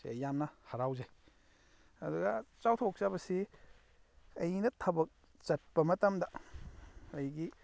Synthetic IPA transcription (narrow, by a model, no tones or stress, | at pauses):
siɐjamnɐhɐɾawzaj | ɐduɡɐt͡ʃawtʰok̚t͡ʃabɐsi | ɐjnɐtʰɐbɐk̚ | t͡ʃɐt̚pɐmɐtɐmdɐ | ɐjɡi